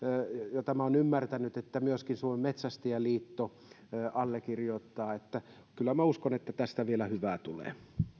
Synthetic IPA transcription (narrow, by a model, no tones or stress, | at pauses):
jɑt̪æmæonymːært̪ænyt̪et̪ːæmyøskinsuoemmet̪sæst̪iæliːt̪ːo | ɑlːekirjoˑt̪ːɑːet̪ːæ | kylːæmæuskonet̪ːæt̪æst̪æʋielæhyʋæˑt̪ulḛː